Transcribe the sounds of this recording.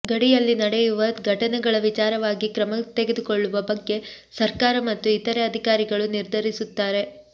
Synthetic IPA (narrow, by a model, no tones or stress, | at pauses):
ɡɐɽijɐlːinɐɽejuʋɐɡʱɐʈɐnɛɡɐɭɐʋit͡ʃaːɾɐʋaːɡikɾɐmɐt̪eɡed̪ukoɭːuʋɐbɐɡːe̞sɐɾkaːɾɐmɐt̪ːuit̪ɐɾeɐd̪ʱikaːɾiɡɐɭuniɾd̪ʱɐɾisut̪ːaːɾe̞